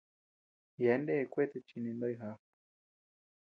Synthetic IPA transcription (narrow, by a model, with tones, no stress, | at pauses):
jɛ˨˦nde˦˧kwe˦t̪e˧˨t͡ʃi˧nĩ˨˧nd̪o˦˧jɦa˦